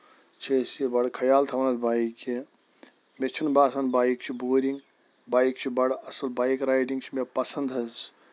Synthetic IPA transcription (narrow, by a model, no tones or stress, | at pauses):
t͡ʃʰesbɐɽkʰɐjaːlt̪ʰɐmɐnɐlbaːike | met͡ʃʰunbaːsɐnbaːjk̚t͡ʃʰiboːɾiŋɡ | baːjikt͡ʃʰibɐɽɐsɐlbaːjkɾaːjʈiŋɡt͡ʃʰimepɐsɐnd̪ɐz